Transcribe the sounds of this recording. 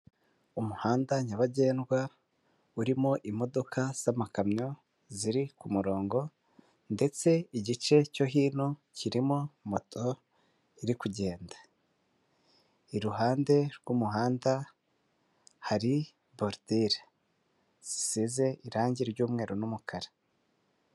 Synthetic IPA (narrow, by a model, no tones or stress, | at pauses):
umuhaːndaɲaβaɟe̞ːnɡwa | uɾimoʔimo̞do̞kʰaz̥amakamɲo̞ | ziɾikumuɾo̞ːŋɡo̞ | nde̞t͡se̞iɟit͡ʃe̞coɦiːnociɾimomo̞tʰo̞ | iɾikuɟe̞ːndḁ | iɾuɦaːnde̞ɾɡumuɦaːnda | haɾi | boɾdiɾa | z̥i̥size̞ʔiɾaːɲɟiɾɟuːmŋe̞ːɾo̞numukʰaɾḁ